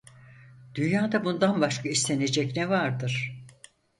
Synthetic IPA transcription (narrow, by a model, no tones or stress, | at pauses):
d̪̥ynjaːd̪abund̪anbaʃkʰaist̪ʰe̞ne̞d͡ʒɛcnɛvaɾd̪ɯɾ̥